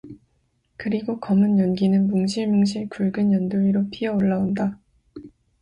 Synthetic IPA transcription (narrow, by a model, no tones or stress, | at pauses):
kɯɾiɡokʌmɯnjʌnɡinɯnmuŋɕʰiɭmuŋɕ̬ʰiɭkuɭɡɯnjʌndoiɾopʰiʌoɭːaonda